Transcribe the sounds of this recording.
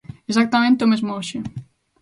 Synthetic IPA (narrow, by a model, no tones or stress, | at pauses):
esak̚t̪amẽnt̪eomezmooʃɪ